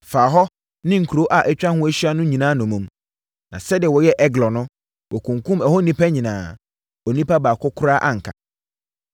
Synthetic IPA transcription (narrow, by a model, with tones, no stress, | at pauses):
faː˨ɦɔ˦ | nɪ̃˦ŋ̩˨kʰo˦ʔa˨ʔɛ˦t͡ɕᶣã˦hʊ̃˦æ˦ɕɥa˦nʊ̃˦ɲĩ˨nãː˨˦nʊ̃˨mũ˨m | nã˨sɛ˦dɪ˨ɛ˨wɔ˨jɛ˦ʔɛ˦ɡlɔ˨nʊ̃˦ | wʔɔ˨kʰũ˨ŋkʰũ˦mɛ˨hɔ˦nĩ˦pʰa˦ɲĩ˨nãː˨ | ɔ˨nĩ˦pa˦baː˨kʰʊ˦kʰʊ˦ɾa˦ʔa˦ŋ̩˨kʰa˨